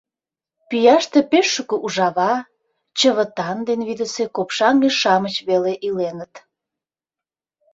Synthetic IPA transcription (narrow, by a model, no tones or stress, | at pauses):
pijɑʃt̪epeʃːuəkə̆ʔuʒɑβɑ | t͡ɕəβə̆t̪ɑnd̪enβid̪əsekopʃɑŋeʃɑmət͡ɕβeleʔilenət̪